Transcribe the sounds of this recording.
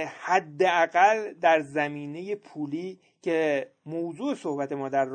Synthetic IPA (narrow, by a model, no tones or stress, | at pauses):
hæd̪ːeæɣæld̪æɾzæmiːne̞je̞pʰuːliː | cʰemowzuːeso̞hbæt̪e̞mɒːd̪æɾː